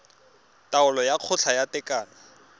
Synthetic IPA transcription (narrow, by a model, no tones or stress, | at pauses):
taʊlɔjaq͡χʰʊt͡ɬʰajatɛkʼaːnɔ